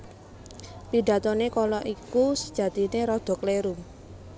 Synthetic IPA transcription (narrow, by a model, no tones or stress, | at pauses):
piɖä̤t̪ɔnekɔlɔʔikusəd̥ʒ̥ä̤t̪ineɾɔd̪̥ɔ̤kleɾu